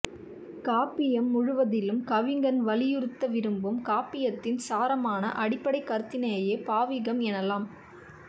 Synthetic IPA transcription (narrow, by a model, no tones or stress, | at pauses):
kaːpɪjɐmːʊɻʊʋɐðɪlɯmkɐʋɪŋɡɐnʋɐlɪjɯɾɯt̪ːɐʋɪɾɯmbɯmkaːpɪjɐt̪ːɪnsaːɾɐmaːnɐ̰ʔɐɽɪpːɐɽɐɪkːɐɾɯt̪ːɪnɐjɐjeːpaːʋɪɣɐmɛnɐlaːm